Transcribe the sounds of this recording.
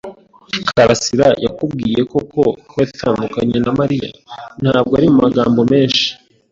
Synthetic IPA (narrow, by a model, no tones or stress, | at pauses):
kʰaɾasiɾajakubɡiːje̞ko̞ko̞watʰaːndukaɲenamaɾija̰n̥haːb̚ɡoaɾimumaɡaːmbo̞me̞ːnʃi̥